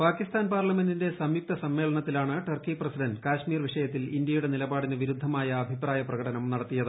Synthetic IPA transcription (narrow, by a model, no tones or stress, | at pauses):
paːkːist̪aːnpaːrlɐme̞ndinde̞sɐmjuk̚t̪ɐsɐmːe̞ːɭɐɳɐt̪ːilaːɳɨʈɐrkiprɐsidɐndkaːʂmiːrʋiʂɐjɐt̪̬ːilindjɐjuɽe̞nilɐbaːɽineʋiɾud̪ʱːɐmaːjɐːbʱipraːjɐprɐɣɐɽɐnɐmnɐɽɐt̪ːijɐðɨ